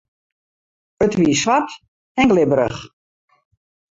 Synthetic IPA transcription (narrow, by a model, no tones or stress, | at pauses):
ətʋiːsʋat | ɛnɡlɪbəɾə̰χ